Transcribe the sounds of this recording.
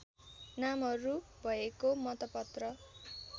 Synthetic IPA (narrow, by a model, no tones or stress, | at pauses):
namɦʌɾu | bʱʌekomʌt̪ʌpʌt̪rʌ